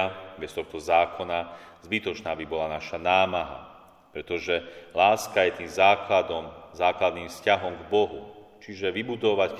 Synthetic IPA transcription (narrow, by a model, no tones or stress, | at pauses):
bɛst̪ɔxt̪ɔzaːkʰɔnazbit̪ɔt͡ʃnaːbibɔlanaʃanaːmaɦa̰ | pɾɛt̪ɔʒɛlaːskajɛt̪iːmzaːklad̪ɔmzaːklad̪niːmfscaɦɔmɡbɔɦu | t͡ʃiʒɛʋibud̪ɔʋac